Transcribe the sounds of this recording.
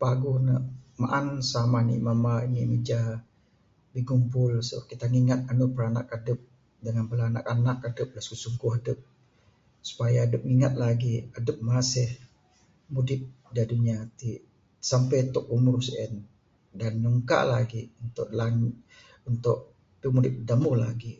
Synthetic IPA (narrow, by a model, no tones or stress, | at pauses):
paɡuhnəʔmaʔansamanḭmamainimid͡ʒa | biɡumpʊlsəa̰ʔ̚kit̪aŋiŋat̪̚anupəɾanakadəp̚ | dəŋanbəlaːna̰kanak̚adəp̚laskusuŋɡʊɦadəp̚ | su̥pajaːdəp̚ŋiŋat̪̚laɡiadəp̚masɪh | mudɪt̪̚ | daduniat̪i | sampɛjnt̪ʊk̚umʊrsiʔɛn | danɲuŋka̰ʔlaɡiunt̪ʊʔlaŋ | unt̪ʊʔ | pimudɪt̪̚damʊhla̰ɡi